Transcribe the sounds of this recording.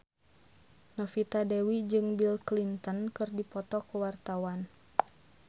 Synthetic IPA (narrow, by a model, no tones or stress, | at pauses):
nɔfit̪adɛwid͡ʒɨŋbilklint̪ənkɨrdipɔt̪ɔkəwart̪awan